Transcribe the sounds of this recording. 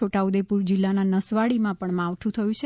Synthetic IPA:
oʈaud̪epuɾd͡ʒɪlːananəsʋaɭimãpəɳmãʋʈ̪ʰũt̪ʰəjũt͡ʃʰ

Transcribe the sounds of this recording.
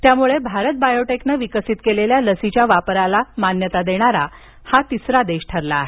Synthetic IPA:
t̪jamuɭebʱaɾət̪̚bajoʈeknəʋikəsit̪keleljaləsit͡ɕjaʋapɾalamanjət̪ad̪eɽ̃aɾa̰ | hat̪isɾad̪eɕʈʰəɾlaːɦe

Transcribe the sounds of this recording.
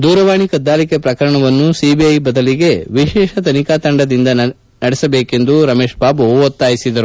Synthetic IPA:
d̪uːɾɐʋaːɳikɐd̪ːaːlikepɾɐkɐɾɐɳɐʋɐnːusiːbiɐjbɐd̪ɐliɡe̞ʋiʃɛːʃɐt̪ɐnikaːt̪ɐɳɖɐd̪ind̪ɐ | nɐɽɛsɐbeːke̞nd̪uɾɐme̞ːʃbaːbɐot̪ːaːjisid̪ɐɾu

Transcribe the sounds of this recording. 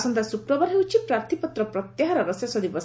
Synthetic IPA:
sɔnt̪asukɾɔbaɾɦewt͡ʃʰipɾaɾt̪ʰipɔt̪ɾɔpɾɔt̪jaɦaɾɔɾɔsjasɔd̪ibɔs

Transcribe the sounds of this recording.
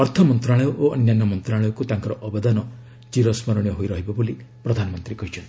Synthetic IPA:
ɔɾt̪ʰɔmɔnt̪ɾaɭɔjɔʔoɔnjanːɔmɔnt̪ɾaɭɔjɔkut̪aŋkɔɾɔʔɔbɔd̪anɔ | d͡ʒiɾɔsmɔɾɔɽ̃jɔɦojɾɔɦibɔboli | pɾɔd̪ʱanɔmɔnt̪ɾikɔɦit͡ʃʰɔnt̪i

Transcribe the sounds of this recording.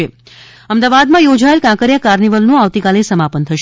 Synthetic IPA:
e | əmd̪aʋad̪mãjod͡ʒaelkãkəɾjakaɾniʋəlnũaʋt̪ikalesəmapənt̪ʰəʃ

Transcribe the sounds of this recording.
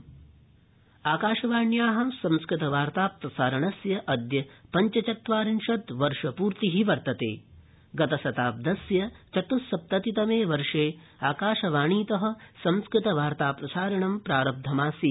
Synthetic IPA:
aːkaːʃɐʋaːɳjaːɦɐsɐ̃mskɾɪt̪ɐʋaːɾt̪aːpɾɐsaːɾɐɳɐsjɐʔɐd̪jɐpɐɲt͡ʃɐt͡ʃɐt̪ʋaːɾinʃɐt̪ʋɐɾʂɐpuːɾt̪iɦiʋɐɾt̪ɐt̪ḛː | ɡɐt̪ɐsɐt̪aːp̚d̪ɐsjɐt͡ʃɐt̪usɐp̚t̪ɐt̪it̪ɐmeːʋɐɾʂeː | aːkaːʃɐʋaːɳiːt̪ɐɦɐ̆sɐ̃mskɾɪt̪ɐʋaːɾt̪aːpɾɐsaːɾɐɳɐmpɾaːɾɐb̚d̪ʱɐmaːsi

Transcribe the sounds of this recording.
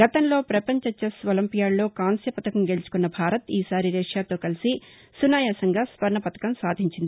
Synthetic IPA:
ɡɐt̪ɐnlo̞ːpɾɐpɐɲt͡ʃɐt͡ʃːɐsʋɐlɐmpijaːɽlo̞ːkaːnsjɐpɐt̪ɐkɐmɡe̞lut͡ʃu̥kunːɐbʱaːɾɐt̪iːsaːɾiɾeːʂjaːt̪o̞ːkɐlisi | sunaːjaːsɐŋɡaːsʋɐɾɳɐpɐt̪ɐ̥kɐmsaːd̪ʱiɲt͡ʃind̪ii

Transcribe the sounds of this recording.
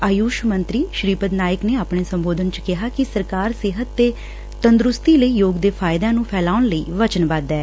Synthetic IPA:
aːjuːʃmənt̪ɾiːʃɾiːpəd̪naːjəkneːaːpɳeːsəmboːd̪ənt͡ʃkɪɦaːkɪsəɾkaːɾsɪɦət̪ːeː | t̪ənd̪ɾʊst̪iːləiːjoːɡd̪eːpʰaːɪd̪ãːnũːpʰɛːlaːʊɳləiːʋət͡ʃənbad̪ɛː

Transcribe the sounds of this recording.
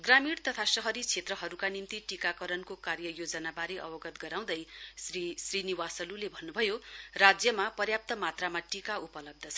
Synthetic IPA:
ɡramiɽt̪ʌt̪ʰasʌɦʌɾit͡sʰet̪rʌɦʌɾukanint̪iʈikakʌɾʌnkokarjʌjod͡zʌnabaɾeʔʌ̰bʌɡʌt̪ɡʌɾaw̃d̪ʌjrisriniwasʌlulebʱʌnːubʱʌjorad͡zjʌmapʌrjap̚t̪ʌmat̪ramaʈikaupʌlʌb̚d̪ʱʌt͡sʰʌ

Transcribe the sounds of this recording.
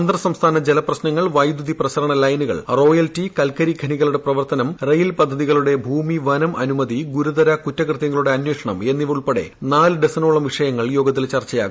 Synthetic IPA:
ɐnd̪rɐsɐmst̪ʰaːnɐd͡ʑelɐprɐɕnɐŋːɐɭʋɐjd̪uðiprɐɕɐɾɐɳɐlɐjnuɣɐ̰ɭro̞ːjɐltikɐlkɐɾiɡʱɐniɣɐɭuɽe̞prɐʋɐrt̪ɐnɐmrɐjilpɐd̪ʱːɐðiɣɐɭuɽe̞bʱuːmiʋɐnɐmɐnumɐðiɡuɾud̪ɐɾɐkutːɐkrɨt̪jɐŋːɐɭuɽe̞ɐnweːʂɐɳɐme̞nːiʋuɭpeɽe̞̰naːlɨɖesɐnoːɭɐmʋiʂɐjɐŋːɐɭjo̞ːɡɐt̪ːilt͡ɕɐrt͡ɕːɐja̰ːɡ

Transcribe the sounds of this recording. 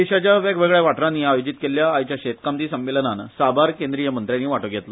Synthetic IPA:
d̪iɕat͡ɕjaʋeɡʋeɡɭjaʋaʈɾanːiːajod͡ʑit̪keljaːjt͡ɕjaɕet̪kamt̪iːsəmʋelənansabʱaɾkend̪ɾijəmənt̪ɾjãnːiːʋaʈoɡʱet̪lə

